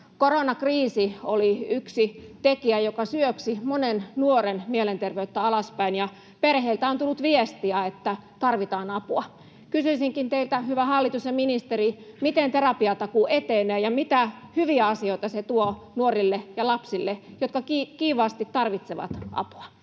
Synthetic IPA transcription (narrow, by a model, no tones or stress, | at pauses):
koronɑkriːsioliyksit̪ekiæjokɑsyøksimonennuorenmielent̪erʋeyt̪ːæɑlɑspæinjɑ | perheilt̪æont̪ulːut̪ʋiest̪iæet̪ːæt̪ɑrʋit̪ɑːnɑpuɑ | kysyisiŋkint̪eilt̪æhyʋæhɑlːit̪usjɑminist̪erimit̪ent̪erɑpiɑt̪ɑkuʔet̪eneːjɑmit̪æhyʋiæɑsioit̪ɑset̪uo | nuorilːejɑlɑpsilːejot̪kɑkikiːʋɑːst̪it̪t̪ɑrʋit̪seʋɑ̰t̪ʔɑ̰pu̥ɑ̥